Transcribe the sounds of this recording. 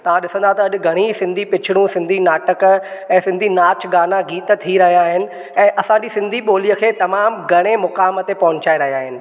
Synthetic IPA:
t̪ɐʋ̤ãɗɪsə̃nd̪aɦt̪ɐɐɗ̆ɡʱɐɽ̃isɪ̃nd̪ʱipɪt͡ɕʰɪɽ̃ũsɪ̃nd̪ʱinaːʈəkɛ̃ːsɪ̃nd̪ʱinaːt͡ɕɡaːnaɡiːt̪t̪ʰiɾɐɦijaːɦɪnɪ̆ | ɛ̃ːʔɐsãɲd͡ʑisɪ̃nd̪ʱiɓoːlijəkʰeːt̪ɐmaːmɡʱɐɽ̃emʊkaːmət̪epɐɦʊ̃ɲt͡ɕaːeɾɐɦijaːɦɪnɪ̆

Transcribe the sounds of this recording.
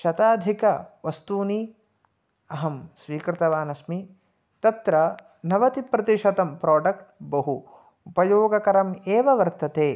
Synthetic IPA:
ʃɐt̪aːd̪ʱikɐʋɐst̪uːni | ɐɦɐmsʋiːkɾɪt̪ɐʋaːnɐsmi | t̪ɐt̪ɾɐ | nɐʋɐt̪ipɾɐt̪iʃɐt̪ɐmpɾaːɖɐk̚ʈ̚bɐɦuː | pɐjoːɡɐkɐɾɐmeːʋɐʋɐɾt̪ɐt̪eː

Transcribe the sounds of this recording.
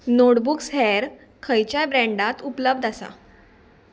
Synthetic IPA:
noʈbuksɦɛɾ | kʰəjt͡ɕjabɾɛ̃ɳɖat̪upləbd̪ʱasa̰

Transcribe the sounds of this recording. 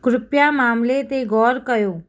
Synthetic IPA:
kɾɪpjaːmaːmlet̪eɡɔːɾkəjoː

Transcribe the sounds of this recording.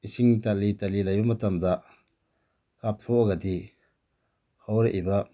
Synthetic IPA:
isiŋtalitalilajbɐmɐtamda | kap̚tʰɔʔaɡadi | hawɾeʔbɐ

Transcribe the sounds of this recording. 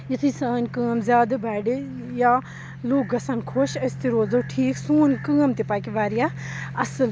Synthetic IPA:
jɐt̪ʰisaːnkəːmzʲjaːd̪ɐbɛːɖe | ja | loːk̚ɡɐsɐnkʰoʃɐst̪eɾoːzoʈʰiːksuːnkəːmt̪epaːkiʋaːɾja | ɐsəl

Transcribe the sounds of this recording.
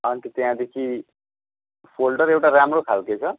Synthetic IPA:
ant̪it̪jãd̪ekʰi | pʰolʈʌɾewʈaɾamrokʰalket͡sʰʌ

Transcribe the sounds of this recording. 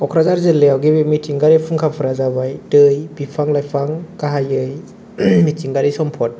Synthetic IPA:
ɔkʰɾazaɾzɯlːeawɡibemitʰiŋɡaɾipʰuŋkʰapʰɯɾazabajtɯjbipʰaŋlajpʰaŋkaɦajɯj | mitʰiŋɡaɾisɔmpʰɔt̚

